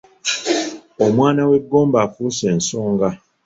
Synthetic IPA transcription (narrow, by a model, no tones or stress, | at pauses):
omwaːnaweɡombafusen̩soŋɡa